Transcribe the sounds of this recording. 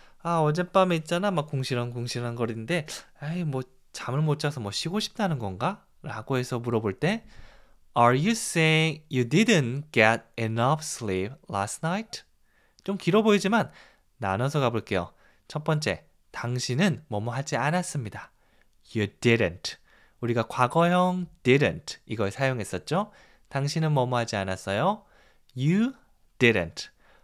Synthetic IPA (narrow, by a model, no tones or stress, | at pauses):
aʌd͡ʑe̞p͈ameit̚t͡ɕ͈anamak̚k͈oŋɕʰiɾɦankoŋɕʰiɾɦanɡʌɾinde̞aimwʌ | t͡ɕamɯɭmot͡ɕ͈ʰasʰʌmwʌɕʰiɡoɕʰi̥p̚t͈anɯnɡʌnɡa | ɾaɡoɦe̞sʰʌmuɾʌboɭt͈e̞ | aɾjuseĩŋjudidɨnɡ̥eɾinʌfʰslip̚ʰlasnaitʰ | t͡ɕ͈omkiɾʌboid͡ʑiman | na̰nʌsʰʌɡaboɭk͈e̞jo̰ | t͡ɕʰʌt̚p͈ʌnt͡ɕ͈e̞ | taŋɕʰinɯnmʌmuɦad͡ʑianas͈ɯmɲida | judɪɾɨntʰ | uɾiɡakwaɡʌjʌŋd̥ɪɾɨntʰiɡʌɭsʰajoŋɦe̞s͈ʌt̚t͡ɕ͈o | taŋɕʰinɯnmʌmuɦad͡ʑianas͈ʌjo | ju | d̥iɾɨ̰ntʰ